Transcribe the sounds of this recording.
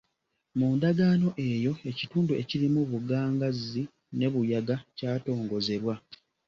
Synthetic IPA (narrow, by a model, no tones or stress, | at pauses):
muːndaɡaːno̞ʔe̞ːjo̞e̞cituːnduʔe̞ciɾimuβuɡaːŋɡazːi | ne̞βujaɡacaːto̞ːŋɡo̞ze̞βwa